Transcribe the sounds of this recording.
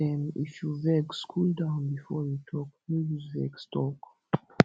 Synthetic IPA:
ɛ̃nḭfjuvɛɡskʰuldãʊ̃nbifɔjutʰɔk̚mijivɛ̰ɡstʰɔk

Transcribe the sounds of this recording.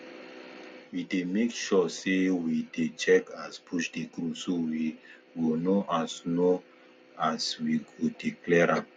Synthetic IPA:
widemekʃɔsewidet͡ʃɛkaspʰuʃdiɡɾusowi | wilnoʔasno | aswikudiklɛɹap̚

